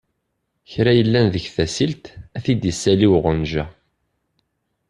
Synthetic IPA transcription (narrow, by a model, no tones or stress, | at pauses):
çɾæjəlːænðəçθæsilt̪æθid̪əsːæliwʁənʒæ